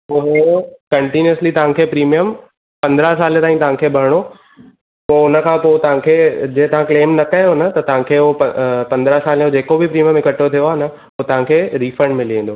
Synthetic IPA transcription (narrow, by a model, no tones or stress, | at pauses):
ʊɦokɐɳʈiniəslit̪ɐʋ̤ãkʰeːpɾiːmijəm | pɐ̃nd̪ɾəsaːlt̪aːĩt̪ɐɦãkʰeːbʱɐɾɽ̃o | poːʊnə̆kʰãːpoːt̪ɐʋ̤ãkʰeːd͡ʑeːt̪ɐʋ̤ãkleːmnɐkɐjonət̪ɐt̪ɐɦãkʰeːoɐpɐ̃nd̪ɾəsaːlod͡ʑeːkobipɾiːmijə̃mɪkəʈot̪ʰijoaːnə | ʊt̪ɐʋ̤ãkʰeːɾiːfəɳɖmɪ̃liẽːn̆d̪oː